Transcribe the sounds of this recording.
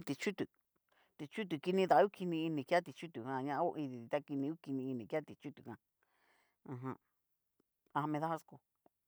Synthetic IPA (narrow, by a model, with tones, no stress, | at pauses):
t̪i˧t͡ʃu˦t̪u˨ | t̪i˨˧t͡ʃu˦t̪̬u˨ki˧nĩ˧ða˧˨˦u˦ki˧nĩ˧i˧nĩ˨ka˦t̪i˧t͡ʃu˦t̪u˨hã˧˨ɲã˧ʔã˦o˦ʔĩ˧ði˨t̪i˧t̪a˦ki˧nĩ˧u˦ki˧nĩ˧i˧nĩ˨ka˦t̪i˨t͡ʃu˦t̪u˨kã˧ | ã˧ɦã˧ | ã˧ha˧mẽ˧ða˦ha˧sko˧